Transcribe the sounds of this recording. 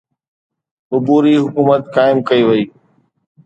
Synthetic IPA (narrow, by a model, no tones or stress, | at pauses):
ʊbuːɾiɦʊkuːmət̪kaːɪmkɐiːʋɐiː